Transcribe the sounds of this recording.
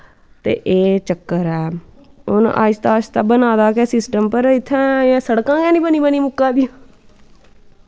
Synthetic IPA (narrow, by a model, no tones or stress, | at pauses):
t̪ḛːʔeːt͡ʃəkːəɾɛːʊnʔa̰ːst̪aːʃt̪aːbənaːd̪aːkɛːsɪsʈəmpəɾɪt̪ʰːɛ̃ːãːsəɽkãːɡɛ̃ːnĩːbəniːbəniːmʊkːãːd̪ĩː